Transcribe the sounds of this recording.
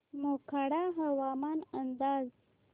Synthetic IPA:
mokaɽaɦawɑmɑnand̪ɑz

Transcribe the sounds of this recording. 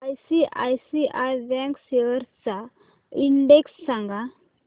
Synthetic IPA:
ajsiʔajsiʔajbɛ̃ŋkseʋəɾt͡sa | iɳɖeksːãŋɡa

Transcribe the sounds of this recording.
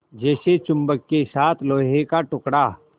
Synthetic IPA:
d͡ʒɛːset͡ʃʊ̃mbəkːesaːt̪ʰloːɦẽkaʈʊkɽaː

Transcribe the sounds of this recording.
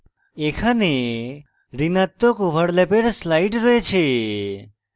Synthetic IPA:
ekʰane | ɾinat̪ːokʋəɽlepeɾslajʈɾɔet͡ʃʰe

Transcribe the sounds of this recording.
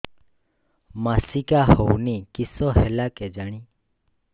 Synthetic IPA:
masikahownikisɔɦɛlakɛd͡ʒaɽ̃i

